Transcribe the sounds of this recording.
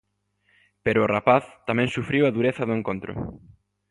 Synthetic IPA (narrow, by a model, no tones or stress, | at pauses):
peɾʊːrapaθt̪amɛ̃ŋsufɾiwɐðuɾeθɐðʊẽŋkõnt̪ɾʊ̰